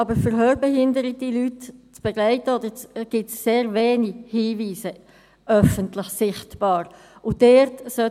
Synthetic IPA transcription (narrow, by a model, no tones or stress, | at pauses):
ɑbəɾfəɾɦøːɾbɛɦɪndəɾədilytt͡sb̥ɛɡlaɪtəod̪əɾt͡sɡ̥ɪtsːeːɾveːnihiːviːsə | ʔœfəntlɪçsɪχtb̥ɑːɾ | ʔʊdɛɾtsœ